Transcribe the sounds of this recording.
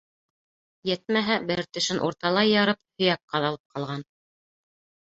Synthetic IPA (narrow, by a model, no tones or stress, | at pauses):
jɘt̪̚mæɦæbɘɾt̪ɵ̆ʃɘnʔuɾt̪ɑlˠɑjːɑɾɤp̚hɵ̆jæp̚qɑðɑlˠɤp̚qɑlˠʁɑn